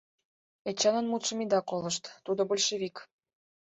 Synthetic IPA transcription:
et͡ɕɑnə̆nmut̪ʃə̆mid̪ɑkoləʃt̪t̪ud̪obolʲʃeβik

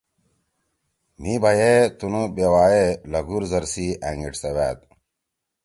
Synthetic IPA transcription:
mibʱɐjet̪unubewaːjelɐɡuɾzɐɾsiæŋɡiʈsewæ̰ːt̪̚

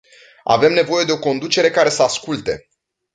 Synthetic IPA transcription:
a̰ve̞mne̞vo̞je̞d̪e̞o̞ko̞nd̪ut͡ʃe̞ɾe̞kaɾe̞səaskult̪e̞̰

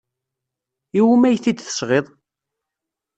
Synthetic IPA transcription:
iwmæjθid̪θə̥sʁeðˤ

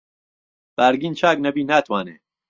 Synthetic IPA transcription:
b̥aːɾɡiːnt͡ʃʰaːknɐbiːnaːt̪ʰwaːnḛː

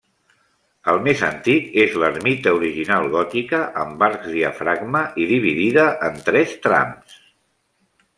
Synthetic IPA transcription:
əlˠmezənt̪ikezləɾmit̪əuɾiʒinalˠɣɔt̪ikəʔəmbaɾkzðiə̰fɾaɡməʔiðiβiðiðəʔənt̪ɾɛst̪ɾa̰ms

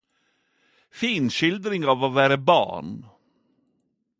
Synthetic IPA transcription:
fiːnɕɪld̪ɾɪŋɑvɑvæːɾəbɑ̰ːɳ

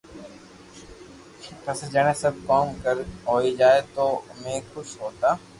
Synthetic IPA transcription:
pəsd͡ʒəɽ̃ẽːsəb̚ʱkoːmkəɾɦoːid͡ʒaːet̪oːmẽkʊsɦoːt̪aː

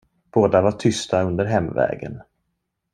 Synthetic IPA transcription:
b̥oːd̪avaʈʰʏst̪aɵnd̪əɾɦɛmːvɛ̰ːɡə̰n

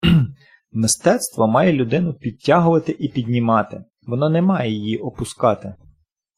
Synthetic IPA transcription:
mɪst̪ɛt̪st̪ʋɔmɑjɛlʲʊd̪ɪnʊpʲid̚ʲtʲːaɦʊʋɐt̪ɪʔipʲid̪ʲnʲimɑt̪ɪ | ʋɔnɔnɛmɑjɛjijiʔɔpʊskɑt̪ɪ

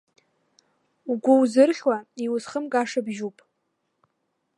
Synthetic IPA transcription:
uɡʷʊwzɨrχʲwaiwʊzχəmkʼaʂabʒupʼ

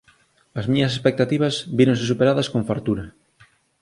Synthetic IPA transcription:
ɐzmiɲɐs̬espek̚t̪at̪iβɐsbiɾõŋs̬esupeɾaðɐskõɱfaɾt̪uɾɐ

